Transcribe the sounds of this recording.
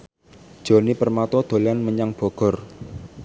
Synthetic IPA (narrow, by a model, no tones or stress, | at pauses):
d̥ʒ̥o̤nipərmat̪ɔd̪̥o̤lanməɲaŋb̥ɔ̤ɡ̥ɔ̤r